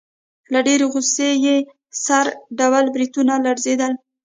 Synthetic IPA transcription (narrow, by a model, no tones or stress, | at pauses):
laɖeɾeɣuseje | saɾɖawalbɾit̪unalaɾzed̪əl